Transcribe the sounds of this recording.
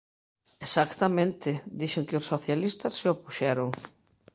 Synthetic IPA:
esakt̪amẽnt̪ɪd̪iʃeŋkɪʊsːoθjalist̪ɐsːɪopuʃɛɾoŋ

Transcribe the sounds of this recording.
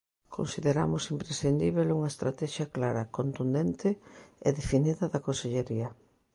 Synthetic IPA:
kʰo̰nsiðeɾa̰mʊsimpɾesθind̪iβeluŋɐest̪ɾat̪ɛʃjɐklaɾɐkont̪und̪ɛnt̪ɪḛðefiniðɐðɐkonseʎeɾiɐ

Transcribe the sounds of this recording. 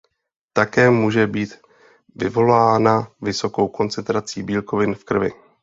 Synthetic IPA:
t̪akɛːmuːʒɛbiːt̪ | vɪvo̞laːnavɪso̞ko̞wko̞nt͡sɛnt̪ɾat͡siːbiːlko̞vɪnfkr̩vɪ̰

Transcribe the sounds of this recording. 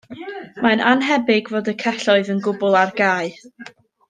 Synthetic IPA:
mananɦɛbɪɡvoːdəkʰɛɬɔɨðənɡʊbʊlˠarɡaːɨ

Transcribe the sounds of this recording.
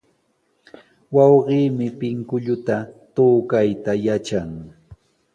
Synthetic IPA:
wɑwɢiːmɪpɪŋkʊʎʊt̪at̪oːkajt̪ajat͡ʃaŋ

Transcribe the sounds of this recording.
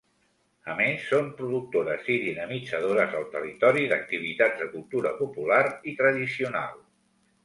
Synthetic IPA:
əmesːompɾuðuk̚t̪oɾəziðinəmid͡zəðoɾəzəlˠt̪ərit̪ɔɾiðə̰k̚t̪iβ̞it̪add͡zzðəkulˠt̪uɾə̰pupulaɾit̪ɾəðisiuna̰lˠ

